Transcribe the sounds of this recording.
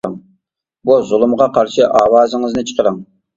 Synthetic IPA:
əŋ | buzʊlˠumʁɑqʰɑɾʃɨʔɑːwɑːzɨŋɨznɨt͡ʃʰə̥qʰəɾəŋ

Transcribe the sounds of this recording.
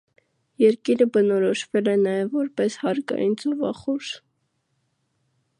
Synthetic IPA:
jɛɾkiɾəbənɔɾɔʃvɛlɛnɑjɛvːɔɾpɛshɑɾkɑ̰jind͡zɔvɑ̰χuʃ

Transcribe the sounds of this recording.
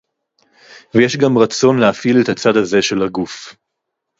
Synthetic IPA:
vejeʃɡamʁat͡so̞nleafilet̪hat͡sad̪aze̞ʃe̞laɡuf

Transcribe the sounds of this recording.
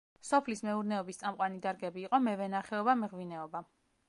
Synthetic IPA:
sɔpʰlismɛuɾnɛɔbist̪sʼamqʼwanid̪aɾɡɛbiːqʼɔmɛvɛnaχɛɔbamɛʁvinɛɔba

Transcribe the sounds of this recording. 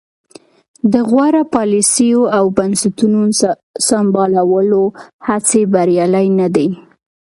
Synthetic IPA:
d̪əɣwaɾapɑlisijoawbansat̪unun | sambɑlawəlohat͡sebaɾjɑlajnad̪e

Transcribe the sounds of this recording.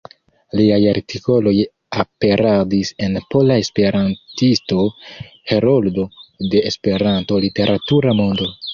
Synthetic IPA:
liajaɾtʰiko̞lo̞j | ape̞ɾadise̞npo̞lae̞spe̞ɾantisto̞ | heɾoldo̞de̞ːspe̞ɾanto̞lite̞ɾʔatuɾamo̞ndo̞

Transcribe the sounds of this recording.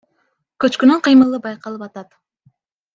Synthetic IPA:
kɵt͡ʃkynyɴqʰɨjmɯlˠɯbɑjqɑlˠɯpɑt̪ɑt̪

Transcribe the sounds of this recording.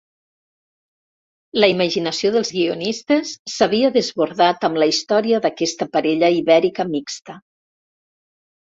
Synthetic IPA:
ləiməʒinəsioðəlˠzɣiunist̪əsːəβiəðəzβuɾðat̪əmləist̪ɔɾiəðəkɛst̪əpəɾɛʎəiβɛɾikəmikst̪ə

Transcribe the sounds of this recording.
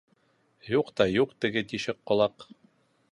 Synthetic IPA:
juqt̪ɑjuqt̪ɘ̆ɡɘt̪iʃɘqːŏlˠɑq

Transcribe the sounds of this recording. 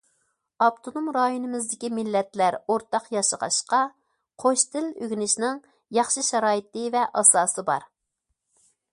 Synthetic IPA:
ɑpt̪ʰonomɾɑjonɨmɪzd̪ɪkʲimɪlːɛt̪læɾoɾt̪ɑqjɑʃəʁɑ̰ʃqɑ | qʰoʃt̪ɪløɡʲnɪʃnɪŋ | jɑχʃɨʃɛɾɑːjit̪ɨvɛʔɑsɑːsɨbɑ̰ɾ

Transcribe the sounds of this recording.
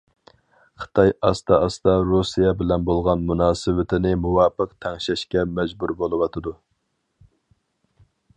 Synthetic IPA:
χʰə̥t̪ʰɑjɑst̪ɑɑst̪ɑɾusijɛbɪlɛnbolˠʁɑnmunɑːsɨwɪt̪ʰɪnɪmuwɑːpəqt̪ʰɛŋʃɛʃkʲɛmɛd͡ʒbuɾbolˠɨwɑt̪ʰɨd̪u

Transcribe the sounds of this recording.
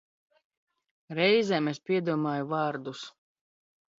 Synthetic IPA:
ɾɛjzʲɛmespʲiɛd̪uɔmaːjuvɑːɾd̪us

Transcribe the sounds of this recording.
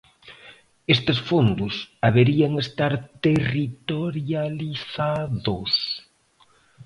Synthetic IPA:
est̪esfond̪ʊsaβeɾiaŋest̪aɾt̪erit̪oɾjaliθaðʊs

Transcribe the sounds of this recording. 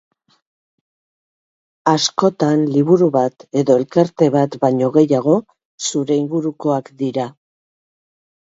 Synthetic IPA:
asko̞t̪anliβuɾuβat̪e̞ðo̞e̞lkaɾt̪e̞βat̪baɲo̞ɣe̞jaɣ̞o̞ | suɾe̞iŋɡuɾuko̞akd̪iɾa

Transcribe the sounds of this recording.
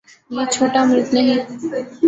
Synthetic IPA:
met͡ɕʰoʈamɾɪt̪neɦĩ

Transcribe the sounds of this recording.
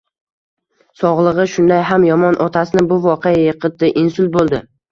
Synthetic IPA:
sɒʁlˠɨʁɨʃʊnd̪ajɦamjɒmɒnʔɒt̪ʰasɪnɪbʊvɒqʰejajɨqʰɨt̪̚ːɪʔɪnsʊlˠbolˠd̪ɪ

